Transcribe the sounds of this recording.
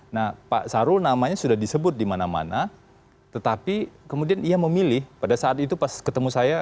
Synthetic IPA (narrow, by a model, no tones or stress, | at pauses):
nahpa̰ʔsaɾʊlnamaɲasudahdisəbʊt̪̚dimanama̰na | t̪ət̪apikəmudianiaməmilɪhpadasaːt̪it̪upaskət̪əmusaja